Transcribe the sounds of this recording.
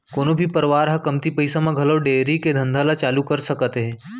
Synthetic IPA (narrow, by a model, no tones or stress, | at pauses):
koːnobʱipəɾʋaːɾɦakɐmt̪ipəjsamãɡʱɐləʋɖeɾiked̪ʱɐ̃nd̪ʱalat͡ʃaːlukəɾsɐkət̪ɦẽ